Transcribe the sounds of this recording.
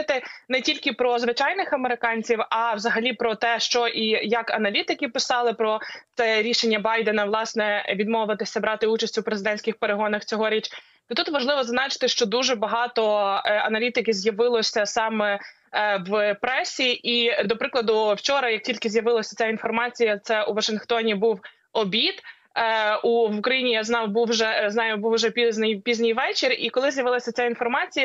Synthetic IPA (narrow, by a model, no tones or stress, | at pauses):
t̪ɪnɛtʲilʲkɪpɾɔzʋɪt͡ʃɑjnɪxɐmeɾɪkɑnʲt͡sʲiwɐwzɐɦɐlʲipɾɔt̪ɛʃt͡ʃɔʔijɐkɐnɐlʲit̪ɪkɪpɪsɑlˠɪpɾɔt̪sɛɾʲiʃenʲːɐbɑjd̪enɐʋlˠɑsnɛʋʲid̪mɔʋɐt̪ɪsʲɐbɾɑt̪ɪut͡ʃɐsʲtʲupɾezɪd̪ɛnʲsʲkʲɪxpeɾeɦɔnɐxt͡sʲɔɦɔɾʲit͡ʃ | t̪ɔt̪ut̪ʋɐʒlˠɪʋɔzznɑt͡ʃɪ̥t̪ɪʃt͡ʃɔd̪uʒɛbɐɦɑt̪ɔɐ̰nɐlʲit̪ɪkɪzʲjɐʋɪlˠɔsʲɐsɑmɛ | ʋpɾɛsʲiʔid̪ɔpɾɪklˠɐd̪ʊwt͡ʃɔɾɐjɐk̚tʲilʲkɪzʲjɐʋɪlˠɐsʲɐt͡sʲain̪fɔrmɑt͡sʲijɐt̪sɛuʋɐʃɪnxt̪ɔnʲibuw | ɔbʲit̪ | uʋukɾɐjinʲijaznɑbuwʒɛznɑjʊbuwʒɛpʲizʲnɪjpʲizʲnʲɪjʋɛt͡ʃɪrikɔlˠɪzʲjɐʋɪlˠɐsʲɐt͡sʲainfɔrmɑt͡sʲijɐ